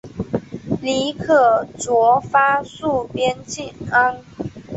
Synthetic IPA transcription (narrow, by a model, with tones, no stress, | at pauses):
li˧˥kʰɤ˥˩t͡swɔ˧˥fa˥su˥˩pjɛ˥nt͡ɕi˥˨˩nə˥n